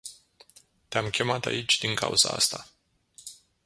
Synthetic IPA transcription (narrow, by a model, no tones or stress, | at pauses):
t̪eamkʲʰe̞mat̪a̰it͡ʃʲd̪iŋkʰa̰ṵz̥aa̰st̪a